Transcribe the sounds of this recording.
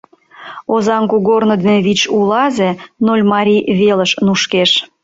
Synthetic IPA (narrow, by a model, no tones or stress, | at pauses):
ozɑŋkuɣornod̪enβit͡ɕulɑzenolʲmɑɾʲiβeləʃnuʃkeʃ